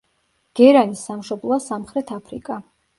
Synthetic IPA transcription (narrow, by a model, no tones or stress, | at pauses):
ɡ̥ɛɾanisːamʃɔblˠɔasamχɾɛt̪ʰapʰɾḭkʼa